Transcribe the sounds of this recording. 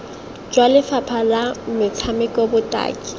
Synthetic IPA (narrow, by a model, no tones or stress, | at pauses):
d͡ʒwalɪfapʰalamɪt͡sʰamɪkʼobʊtʼa̰ːkʼɪ̥